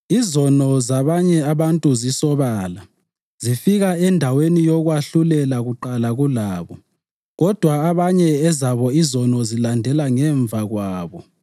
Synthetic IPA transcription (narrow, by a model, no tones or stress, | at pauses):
izɔnɔzaβaɲɛaβantʼuzisɔβaːla | z̥ifiɣaɛndʱawenijɔɣwaɬulɛlaɣuǃalaɣulaːβɔ | ɣɔd̥ʱwaaβaɲɛɛzaβɔizɔnɔzilandʱɛlaŋɛɱvʱaɣwaːβɔ